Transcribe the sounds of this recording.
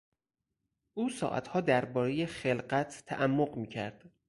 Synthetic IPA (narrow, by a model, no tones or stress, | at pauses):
ʔuːsɒ̰ːʔæ̰t̪hɒːd̪æɾbɒːɾe̞je̞xelɢæt̪ʰːæ̰ʔæmːoɢmiːcʰæɾd̪̥